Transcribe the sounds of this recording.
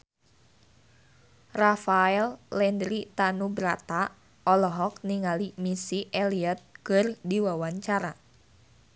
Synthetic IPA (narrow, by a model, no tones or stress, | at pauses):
rafaɛlːɛndɾit̪anubɾat̪a | ʔɔlɔɦɔk̚niŋalimisiʔɛliət̪̚kɨrdiwawaɲt͡ʃaɾa